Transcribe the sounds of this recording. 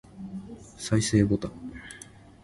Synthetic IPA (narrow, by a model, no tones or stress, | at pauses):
saise̞ːbot̪ã